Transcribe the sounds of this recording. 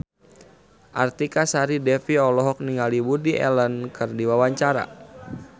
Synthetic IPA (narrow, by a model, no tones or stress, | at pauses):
ʔa̰rt̪ikasaɾidɛfiɔlɔɦɔk̚niŋalibudiʔɛ̰lənkʰɨrdiwawaɲt͡ʃaɾa̰